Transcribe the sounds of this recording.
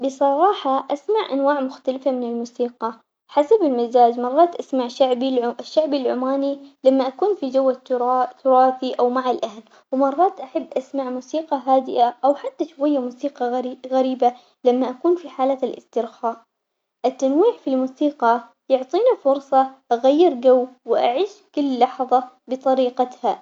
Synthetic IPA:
bɨsˤɑɾˤɑːħɑʔasmaʕʔa̰nwaːʕmʊxt̪alfamɪnɪlmuːsiːqɑ | ħasabɪlmɪzaːd͡ʒmɑrˤːɑːt̪ʔasmaʕʕbʃːaʕbalʕʊmaːnilamːaʔakuːnfid͡ʒawːat̪ʰʊɾˤɑːfiʔawmaʕalʔahl | wmɑrˤːɑːt̪ʔaħabːʔasmaʕmuːsiːqɑɦaːd̪ɪ̰ʔaʔawħat̪ːaʃwajːamuːsiːqɑɣɣaɾiːba | lamːaʔakuːnfiħaːlaːt̪alʔɪ̰st̪ɪɾxaːʔ | ʔɪt̪ːanwiːʕfilmuːsiːqɑ | jʊʕt̪ˤiːnafʊɾsˤɑʔaɣajːɪɾɡawːwɪʔaʕiːʃkɪlːɑħðˤɑ | bɨt̪ˤɑɾiːqɑt̪ha

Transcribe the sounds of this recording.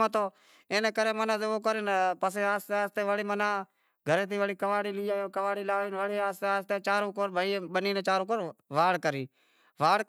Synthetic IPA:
ãt̪oː | eːnẽːkəɾeːmənaːseʋoːk̬əɾeːnpəseːaːseaːst̪eːʋəɽiːmənãː | ɡʱəɾeːt̪̬iːʋəɽiːkəʋaːɽiːlɪːaːoːkəʋaːɽiːlaːʋeːnʋəɽeːaːseaːst̪eːt͡ʃaːɾõːkoɾbəiɓəniːnẽːt͡ʃaːɾõːkoɾʋaːɽkəɾiː | ʋaːɽ

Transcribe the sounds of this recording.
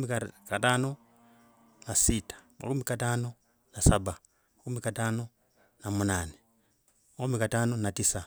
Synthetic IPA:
ikataːno | nasitḁma̰kumikataːno | nasaba | makumikataːno | namunaːne | makumikataːnonatisa

